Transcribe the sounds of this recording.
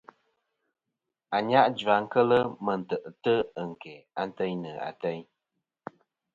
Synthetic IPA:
a˨ɲa˦ʔd͡ʒa˨ŋ̩˦kə˦lə˦mə˨n̩˨tə˨ʔtə˦ə˨ŋ̩˨kɛ˨a˨n̩˦tə˦ɲnə˨a̰˨tɛ˦ɲ

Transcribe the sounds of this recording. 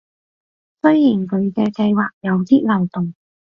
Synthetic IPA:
sɵ˥ɥjiː˨˩nkʰɵ˨˧ɥkɛː˧kɐ˧jwaː˨k̚jɐ˨˧wt̪iː˥lɐ˨˩wt̪ʊ˨˩ŋ

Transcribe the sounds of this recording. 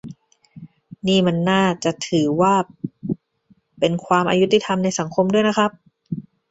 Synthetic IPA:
niː˥˩ma˧nːaː˥˩t͡ɕa˨˩ʔt̪ʰɯː˩˦waː˥˩ | pe˧nkʰwaː˧mʔa̰˧ju˦˥t̪ːi˧˩t̪ʰa˧mna˧jsa˩˦ŋkʰo˧mdu˥˩əjna˦˥kʰa˦˥p̚

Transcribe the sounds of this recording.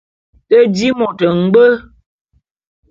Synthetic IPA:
tə˦di˦mɔ˨tə˨ŋ̩˦ɡ͡bə˦

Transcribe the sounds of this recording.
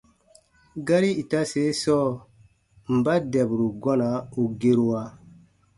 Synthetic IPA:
ɡa˦ɾi˦i˨ta˦se˨˦sɔ˦ | m̩˨ba˦dɛ˨bu˨ɾu˨ɡɔ˦na˨˦o˨ɡe˦ɾu˦wa˦

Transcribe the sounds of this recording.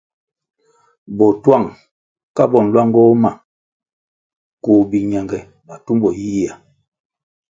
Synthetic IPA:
bɔ˨twa˦˨ŋ | ka˦bɔ˨n̩˨lwa˦ŋ˦ɡɔ˦ma˨ | koː˨bi˨ɲa˨ŋɡɛ˨ | ba˨tu˦mbɔ˨ji˦ji˦a˨

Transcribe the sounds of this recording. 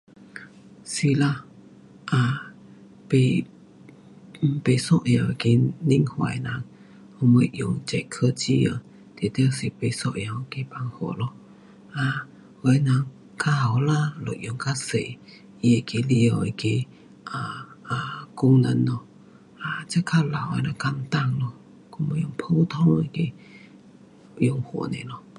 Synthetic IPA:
si˧la˧˦ | ʔa˨ | pe˧ | pe˨sɔ˦ʔja˨ki˧ni˦ŋhwa̰˨jna˨˧˨ŋ | hu˧mə˧˦ʔju˨ŋt͡ʃɛ˧˨ʔkʰə˧t͡ʃi˦ə̰˨ | t̪e˨t̪e˦˧si˨pe˧˨sɔ˦ʔja˧˨wke˧pa˧ŋho̰˨lɔ˦ | a˧ | hwa˨˧˦jna˨˦ŋ | kʰa˧ha˨wla˧lo˨˩ʔ̚jʊ˨˧˩ŋkʰa˧se˨ | ʔi˧e˨˩ke˧li˧ə˧˨e˧˨ke˧ | ʔa˨˩a˨˧ku˧ŋnə˧˦nɔ˧ | ʔa˧t͡ɕa˧˦kʰa˧la˨wa˧˩nã˨˧ka˧mt̪a˥˧˨ŋlɔ˧ | ku˧m˧˦˨jʊ˧˩ŋpʰo˧t̪ʰɔ˧˨ŋe˧˨ke˧˨ | ju˧ŋho̰˨˩nḛ̃˨lɔ˧˩

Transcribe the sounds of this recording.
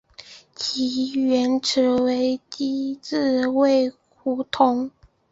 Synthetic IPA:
t͡ɕʰi˧˥ɥɛ˧˥nʈ͡ʂ̩ʰ˧˥we˧˥ɪt̪i˥t͡s̩˥˧we˥˩ɪ | xu˧˥t̪ʰʊ˧˥ŋ

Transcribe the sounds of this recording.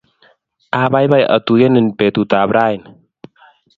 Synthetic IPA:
ʔabajba˧jʔə̰˨t̪u˨jə˦nə˨npe˨t̪u˨t̪a˨bɾa˦jn

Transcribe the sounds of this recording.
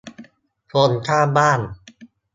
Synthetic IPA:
pʰo˧nt̪ʰaː˥˩baː˥˩n

